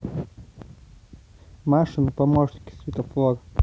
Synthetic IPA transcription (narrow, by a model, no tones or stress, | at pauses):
maʂɨnpɐmoʐnʲkʲɪ̥svʲɪt̪əflˠot̪